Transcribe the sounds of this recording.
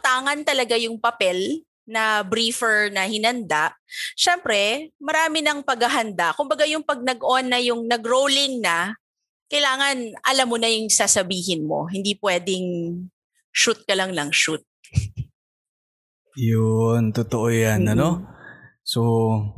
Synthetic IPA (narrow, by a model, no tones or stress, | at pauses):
t̪aːŋɐnt̪ɐlɐɡajʊŋpɐpɛl | nɐbɾiːfɛɹnɐhɪnɐnd̪aʔʃɛmpɾɛmɐɾaːmɪnɐŋpɐɡɐɦɐnd̪aʔkʊmbɐɡajʊŋpɐɡ̚nɐɡʔonːɐjʊŋnɐɡɾowlɪŋnɐ | kɐjlaːŋɐnʔɐlamːonɐjʊŋsasɐbiːhɪnmo̞̰ɦɪnd̪ipwɛːd̪ɪŋ | ʃut̪̚kɐlɐŋnɐŋʃut̪̚ | jʊnt̪ot̪oʔojanɐno̞ | so